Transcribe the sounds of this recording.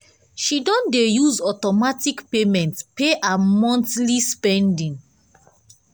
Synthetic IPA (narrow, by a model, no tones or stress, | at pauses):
ʃidɔ̃ndejuzɔtɔmatikpemɛ̃ntpeʔamɔ̃ntlispɛ̃ndĩŋ